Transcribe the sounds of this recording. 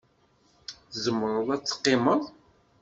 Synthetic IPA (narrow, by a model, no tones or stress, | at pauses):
zəmːəɾˤʊðˤæt͡sːə̥qːɪməðˤ